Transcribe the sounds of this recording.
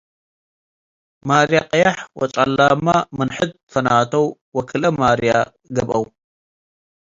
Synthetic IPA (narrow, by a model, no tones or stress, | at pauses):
maɾjaqʼɨjaħwɔ̰t͡ʃʼalːamamɨnħɨd̪̚ | fɐnat̪ʰɐw | wɐkʰɨlɐmaɾja | ɡɐβʔɐw